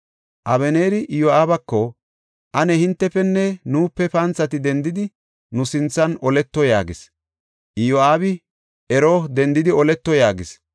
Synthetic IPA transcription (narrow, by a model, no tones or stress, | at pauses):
ʔɐβɛneːɾɪʔjoaːbɐkːɔ | ʔɐnɛhɪnt̪ːɛfɛnːɛnuːpːɛpɐnt͡sːɐt̪ɪd̪ɛnd̪ɪd̪ɪ | nʊsɪnt͡sːɐnɔlɛt̪ːɔja̰ːɡɪs | ʔɪjoaːbɪ | ɛɾoːd̪ɛnd̪ɪd̪ɪɔlɛt̪ːɔjaːɡɪs